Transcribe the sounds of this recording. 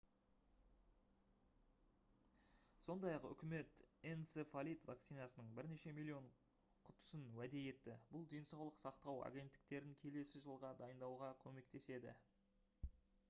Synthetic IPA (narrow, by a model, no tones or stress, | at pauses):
so̞nd̪ɑjɑqʏ̰kʲɪme̞t̪ensefalʲit̪vak̚t̪sijnɑsənəɴbɪɾne̞ʃe̞milʲio̞ɴ | qʰʊt̪ʊ̥sənwæd̪e̞je̞t̪ːɪbʊlˠd̪e̞nsɑwlˠəqsɑqt̪ɑwa̰ɡʲe̞nt̪ːɪ̥kt̪e̞ɾɪŋkʲʰe̞le̞sɪʒəlˠʁɑd̪ɑjənd̪ɑwʁɑkʲʰɵme̞k̚t̪e̞se̞d̪ɪ̰